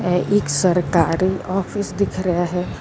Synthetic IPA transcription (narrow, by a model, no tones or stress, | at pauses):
ʔeːksɐɾkaːɾiɔːfʰɪsd̪ɪkʰɾɐɦaɦɛː